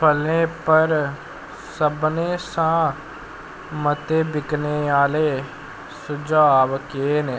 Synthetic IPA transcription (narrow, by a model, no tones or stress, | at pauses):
pʰəlẽːpəɾ | səbneːsãː | mət̪eːbɪkneːaːleː | sʊd͡ʒaːʋkeːneː